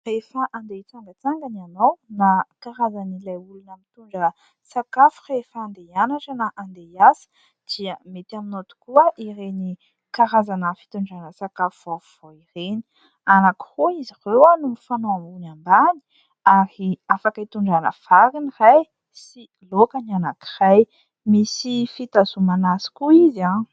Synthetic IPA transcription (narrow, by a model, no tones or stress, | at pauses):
refaʔand̪et͡saŋɡət͡saŋɡanianawnakaɾazanilajulunəmit̪uɳɖ͡ʐə | sakafu̥refand̪eanaʈ͡ʂənaʔand̪ejasə̥ | d̪̥iəmet̪aminot̪u̥kuəʔireni | kaɾazanəfi̥t̪uɳɖ͡ʐanəsakafuvofuv̥oireni̥ | anaki̥ruizirewanumifanoambunambani̥ | aɾiafakəit̪uɳɖ͡ʐanə̰faɾiniraj | si | lokanianaki̥raj | misifit̪azumanasi̥kuizã